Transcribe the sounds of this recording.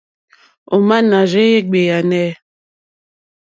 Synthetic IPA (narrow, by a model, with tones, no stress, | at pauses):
o˨ma˦na˨ʒe˦je˦ɡ͡be˨ja˨nɛ˦